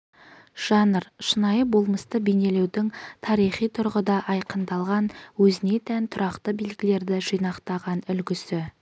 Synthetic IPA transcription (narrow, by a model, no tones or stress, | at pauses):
ʒ̥ɑnəɾʃənɑjəbo̞lˠməst̪əbene̞le̞wd̪ɪŋt̪ʰɑɾijχijt̪ʰʊɾʁəd̪ɑʔɑjqənd̪ɑlˠʁɑnwɵzɪne̞t̪ʰænt̪ʰʊɾɑqt̪əbilɡʲɪle̞ɾd̪ɪʒijnɑqt̪ɑʁɑnʏlɡʲɪsɪ